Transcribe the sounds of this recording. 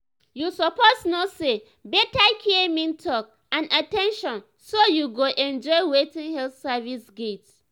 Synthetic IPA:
jusɔposnɔse | bɛtakʰiemĩntʰɔk̚ | ãnatɛ̃nʃɔ̃n | sojuɡoʔɛ̃nd͡ʒɔɪwetĩŋhɛlθsavisɡet

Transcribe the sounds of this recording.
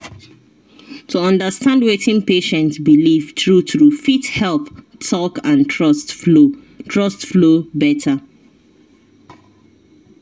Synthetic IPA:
tʰuɔ̃ndəstãndwetʰɪ̃npeʃɛ̃ntsbilivtɹutɹufithɛlˠptʰɔkãntʰɹɔst | tʰɹɔstflobɛtʰə

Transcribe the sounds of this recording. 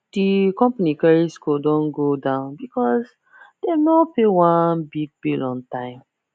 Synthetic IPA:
d̥ikɔ̃mpanikaɹiskudɔ̃nɡodãʊ̃nbikɔs | d̥enɔpewãnbiɡ̚bilɔ̃ntãɪ̃m

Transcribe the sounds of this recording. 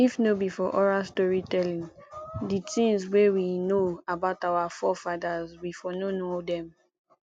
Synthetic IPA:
ifnobifɔʔɔɹastɔɹitɛlĩŋditĩŋzwewinoabaʊtawafɔfadazwifɔnonodɛ̃m

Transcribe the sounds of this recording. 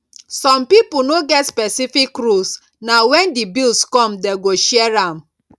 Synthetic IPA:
sɔmpipʊnoɡɛtspɛsifikɾus | nawɛndibilskɔ̃mdeɡoʃiɛɹam̩

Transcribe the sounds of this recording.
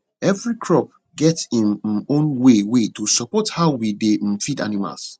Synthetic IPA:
ɛvɹikʰɹɔp̚ | ɡɛtsĩnõnwewetusɔpɔthaʊwidefida̰nima̰ls

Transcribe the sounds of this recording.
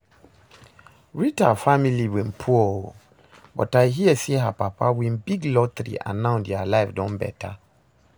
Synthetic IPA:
ɹitafamiliwĩnpʰuo | bɔ̰taɪɦiɛseɦapapʰawĩnbiɡlɔt̪ɾḭʔã̰nãʊ̃ndɛalaɪfdɔ̃nbɛ̰tʰa

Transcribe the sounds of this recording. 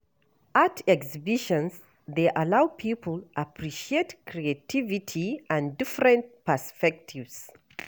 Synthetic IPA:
atʰɛksibiʃə̃ns | ðeʔalaʊpʰipʰəl̩ˠapʰɹiʃietkʰɹietʰivitʰiʔãndifɹɛ̃nt̚pəspɛk̚tʰivz̥

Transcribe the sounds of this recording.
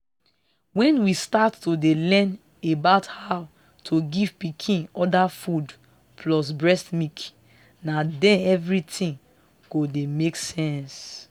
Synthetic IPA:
wɛ̃nwistatːodelɛ̃n | ebaʊthaʊ | tʰoɡiv̥pikʰĩnɔdafud | pʰlɔs̬bɹɛstmik | nadɛ̃nɛvɹitʰĩn | ɡ̥odemeksɛ̃ns

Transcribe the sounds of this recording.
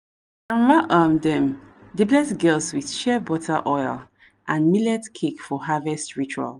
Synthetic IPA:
ãnɹaʔamdɛ̃mdiblɛsɡɛlswið̥ʃɛbɔtʰaʔɔjl | ʔãnmilɛtkʰekfɔɦavɛstɹit͡ʃua̰l

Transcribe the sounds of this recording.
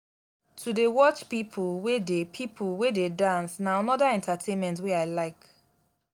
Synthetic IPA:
tʰudewɔt͡ʃpipʰulwedepʰipʰulwededãnsnaanɔdaɛ̃ntatʰẽnmɛ̃ntweaɪlaɪk

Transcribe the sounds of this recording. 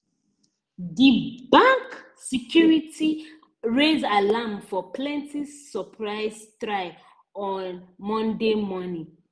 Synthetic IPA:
dibãŋk | sikʰjuɹitʰi | ɹezalamfɔpʰlɛ̃ntisɔpʰɹaɪztɹaɪ | ɔnmɔ̃ndemɔnĩ

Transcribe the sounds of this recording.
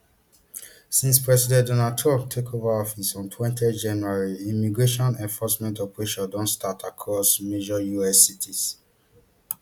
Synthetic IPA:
sĩnspɹɛsidɛ̃ndɔnaltʰɹɔ̃p̚tʰekʰovaɔfisɔ̃ntʰwɛ̃ntɛd͡ʒãnjuaɹiĩmiɡɹeʃɔ̃nɛ̃nfɔsmɛ̃ntɔpɹeʃɔdɔ̃ntstʰatʰakʰɹɔsmed͡ʒɔjuɛsːitʰis

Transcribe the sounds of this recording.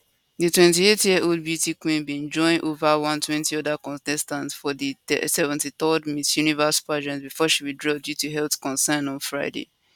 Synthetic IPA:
ditwɛ̃ntietjiʔold̚bjutikwĩnbĩnd͡ʒɔ̃ɪ̃nʔovawãntʰwɛ̃ntiɔdakɔ̃ntɛstãntfɔdiɛsɛvɛ̃ntit̪ɔdmisjunivəspad͡ʒɛ̃nsbifɔʃiwidɹɔdjutuɦɛltkɔ̃nsɛ̃nɔ̃nfɹaɪdḛ

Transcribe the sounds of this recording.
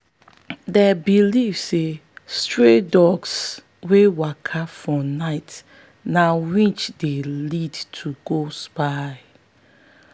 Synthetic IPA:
dɛbilivsestɹedɔɡs | wewakʰafɔnaɪt | nawĩt͡ʃdelidtʰuɡospaɪ

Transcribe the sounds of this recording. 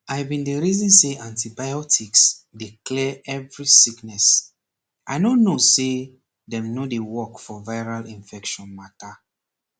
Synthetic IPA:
ajvbĩndəɹizɔ̃nseãntibajɔtʰiksdiklɛɛvɹisiknɛs | ʔaɪnõnːose | dɛ̃mnodewɔkfɔvaɪɹalĩɱfɛkʃɔ̃nmata

